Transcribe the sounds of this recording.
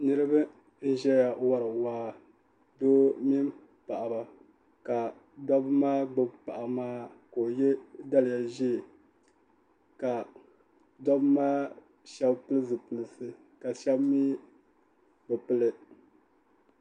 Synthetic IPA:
nɨ˦ɾɨ˦bɨ˦ | n̩˦ʒɛ˦ja˨wa˦ɾɨ˨waː˦ | doː˦mi˦m˦ | pa˨ʔa˨ba˨ | ka˨ | dɔ˦bɨ˦maː˦ɡ͡bʊ˦bpa˨ʔa˨maː˦ko˨jɛ˦da˦lɪ˨ja˨ʒi˦˨ | ka˨ | da˦bmaː˦ | ʃɛ˦bpɨ˦lɨ˦zɨ˨pɨ˨lɨ˨sɨ˦ | ka˨ʃɛ˦bmi˦ | bɨ˨pɨ˦lɨ˦

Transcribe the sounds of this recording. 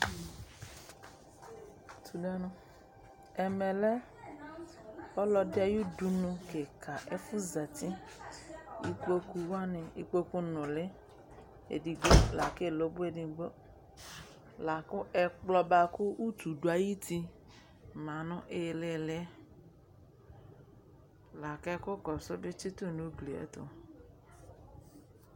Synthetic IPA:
tʰu˨da˦nʊ̃˦ | ɛ˨mɛ˨lɛ˦ | ɔ˦lɔ˧dɛ˦ju˦du˨nʊ̃˧ke˨kʰa˨ʔɛ˦fu˦za˨ti˦ | ḭ˦k͡po˦ku˧wa˦ne˨i˦k͡po˦ku˦nʊ̃˨lɪ˦ | ḛ˨di˨ɡ͡bo˦la˨ke˦˨lo˨˦bu˦e˨di˧ɡ͡bo˦ | la˨kʊ˦ʔɛ˨k͡plɔ˦ba˨kʊ˦ʔu˦tu˨du˨˦a˨ji˦ti˧ | mã˨nʊ̃˦ʔe˦˨le˦˨le˦ | la˨kɛ˦kʊ˦kɔ˨so˦bɪ˦t͡ʃi˦tu˦˨nu˦bli˨ɛ̰˦tʊ̰˨

